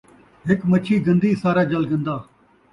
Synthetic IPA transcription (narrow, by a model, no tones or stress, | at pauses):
ɦɪkmət͡ʃʰiːɡə̃nd̪iːsaːɾaːd͡ʒəlɡə̃nd̪aː